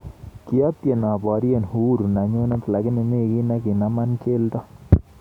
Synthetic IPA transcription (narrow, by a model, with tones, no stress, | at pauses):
ki˦ɔ˦tje˨na˨bɔ˨˦ɾje˦˨nhu˦ɾu˨na˨ɲo˦nɔ˦tla˨ɡɪ˦ne˨ne˦ki˦na˦ki˨na˦ma˦nke˦ldɔ˦